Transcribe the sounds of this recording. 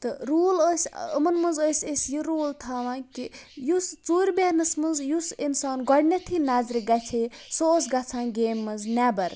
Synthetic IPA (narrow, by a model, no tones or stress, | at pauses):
t̪ɨɾuːləsʲə̰mɐnmɐnzəsʲesjiɾoːlt̪ʰaːʋãːkijust͡suːɾʲbeːnɐsmɐnzjusinsaːnɡɔɽnʲɐt̪ʰinaːzɾiɡat͡sʰesoːsɡɐt͡sʰãːnɡeːmːɐznabɐɾ